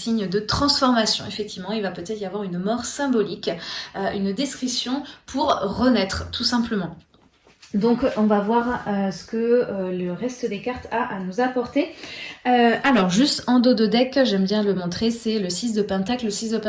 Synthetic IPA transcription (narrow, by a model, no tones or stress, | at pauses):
siɲd̪ət̪χɑ̃sfɔʁmasjɔ̰̃efɛk̚t̪ʰivmɑ̃ilvapøt̪ɛt̪χijavwaʁynmɔʁsɛ̃bɔlikøynd̪ɛskχisjɔ̃pʰuʁʁənɛt̪χət̪ʰusɛ̃pləmɑ̃ | d̪ɔ̃kɔ̃vavwaʁøsə̥kələʁɛst̪əd̪ekaʁt̪ʰaʔanuzapɔʁt̪eøalɔʁʒyst̪ɑ̃d̪od̪əd̪ɛkʒɛmbjɛ̃ləmɔ̃t̪χesɛləsis̬d̪əpɛ̃t̪akləsisd̪əpɛ̃